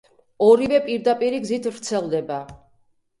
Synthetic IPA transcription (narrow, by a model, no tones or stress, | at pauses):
ɔɾivɛpʼiɾd̪apʼiɾiɡzit̪ʰvɾt̪sʰɛlˠd̪ɛba